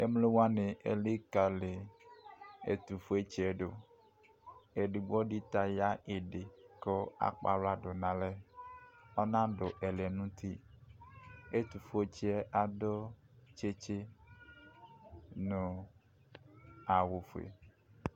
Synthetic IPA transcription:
e˦mle˦wa˦nẽ˨ʔe˨li˦ka˨le˨ | ḛ˨t̪u˨fo˦e˦t͡ʃɛ˨ɖo˨ | e˨ɖu˨ɡ͡bɔ˦ɖi˦t̪a˨ja˦e˨ɖe˨kɔ˦a̰˦k͡pa̰˨lo˦a˦ɖo˨nã˨lɛ˦ | ɔ˦nã˦ɖo˨ʔɛ˨lɛ˨nũ˦t̪i˦ | e˦t̪u˨fo˦e˦t͡ʃɛ˦ʔa˨do˦ | t͡ʃe˦t͡ʃe˦ | nõ˨ | a˨wo˨fo˨ḛ˨

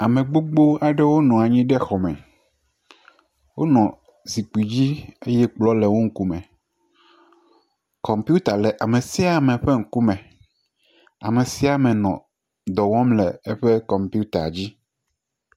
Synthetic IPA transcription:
a˨mẽ˨ɡ͡bo˦ɡ͡bo˦a˨ɖɛ˦wo˦nɔ̃˨a˨ɲĩ˦ɖɛ˦xɔ˨mɛ̃˨ | wo˦nɔ̃˨ | zi˨k͡pi˨d͡ʑi˦e˦jɛ˦k͡plɔ˦lɛ˨wo˦ŋ̩˦ku˦mɛ̃˨ | kɔ˨mpi˦u˦t̪a˨lɛ˨ʔa˨mẽ˨si˦a˨mɛ̃˨ɸe˦ŋ̩˦ku˦mɛ̃˨ | a̰˨me˨si˦a˨mɛ̃˨nɔ̃˨ | d̪ɔ˨wɔ̃˦mlɛ˨e˦ɸɛ˦kɔ˨mpu˦t̪a̰˨d͡ʑi˦

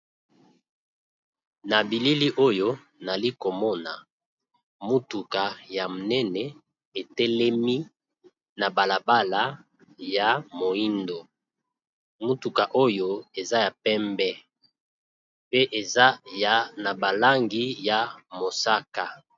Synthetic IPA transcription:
na˨bi˨li˦li˦ʔo˦jo˦ | na˨li˦ko˨mɔ˦na˨ | mu˦tu˨ka˨ja˨nɛ˦nɛ˨ | e˨tɛ˦lɛ˦mi˦ | na˨ba˨la˨ba˦la˨˦ | ja˨mo˨i˦ndo˨ | mu˦tu˨ka˨ʔo˦jo˦e˨za˦ja˨pɛ˦mbɛ˦ | pe˦ʔe˨za˦ja˨na˨ba˨la˦ŋɡi˦ja˨mo˨sa˦ka˦

